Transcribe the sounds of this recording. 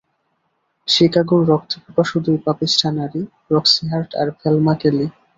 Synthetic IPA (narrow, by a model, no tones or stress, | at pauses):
ʃikaɡunɾɔk̚t̪ʰopupaʃud̪ujpapisʈʰanaɾi | ɾɔksiɦaɾʈa̰ɾfʰelmakeli